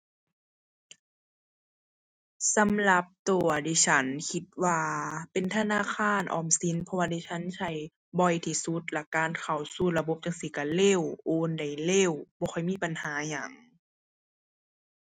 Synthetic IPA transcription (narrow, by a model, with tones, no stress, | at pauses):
sa˨˦mla˧˦p̚t̪u˨˧˩ɐdiː˧˩t͡ɕʰa˧˦˥nkʰi˧˦t̪̚waː˧pe˨nt̪ʰa˧naː˧˥˨kʰaː˧˥˨nʔɔ̰ː˨˩msi˧˦˨npʰɔ˧waː˧˩daː˧˩t͡ɕʰa˧˥˨nsʰa˧˩j | bɔ˧˩jt̪ʰiː˧˩su˧˦t̪̚lɛ˧˩kaː˧˨nkʰa˨˩wsuː˧˩˨la˧bo˧˦p̚t͡ɕa˧ŋsi˧˦ka˧˩le˧˥˨wʔoː˧nda˨˩jle˧˩˨wbɔː˧xʰɔ˧˩jmiː˧˥˨pa˨nhaː˨˦ɲaː˨˩ŋ